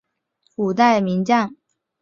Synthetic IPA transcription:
kʰu˨˩t̪a˥˩ɪmi˧˥ŋt͡ɕa˥˩n

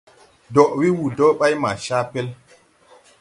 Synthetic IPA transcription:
dɔ˨ʔwi˦wu˨dɔ˦ɓa˦jma̰˨ʃa˦pɛ˦l

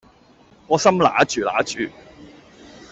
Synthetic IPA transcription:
ŋɔː˨˧sɐ˥mla̰ː˨˥t͡ʃyː˨la̰ː˨˥t͡ʃyː˨˩

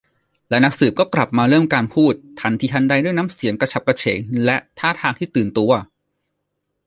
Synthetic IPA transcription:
lɛ˦˥na˦˥k̚sɯː˨˩p̚kɔː˥˩kla˨˩p̚maː˧ɾɤː˥˩mkaː˧npʰuː˥˩t̪ʰːa˧˩nt̪ʰiː˧hʰa˦˥nda˧jdu˥˩jnaː˦˥msi˩˦nkɾa˧t͡ɕʰa˨˩p̚ka˧t͡ɕʰḛː˩˦ŋlɛ˦˥ʔt̪ʰaː˥˩t̪ʰaː˧ŋt̪ʰiː˥˩t̪ɯː˨˩nt̪u˧ɐ

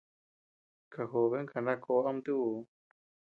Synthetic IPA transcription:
ka˨xo˨βe˦ŋka˨nã˦˧kʰo˧˦a˦m˦d̪u˦˧˨

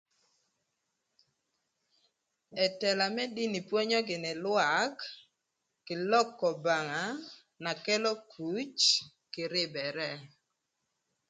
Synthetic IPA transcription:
ɛ˨tɛ˨la˨mɛ˦di˦ni˨pwɔ˦ɲɔ˦ɡɪ˨nɪ˨lwa˨˦kː | ɪ˨lɔ˦kːɔ˨ba˨ŋa˨˦ | na˨kɛ˦lɔ˦kʰu˨˦t͡ʃ | kɪ˨ɾɪ˦bɛ˨ɾɛ˦

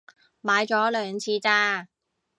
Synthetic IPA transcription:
maː˨˧jt͡ʃɔː˨˥lœː˨˧ŋt͡sʰiː˧t͡saː˧

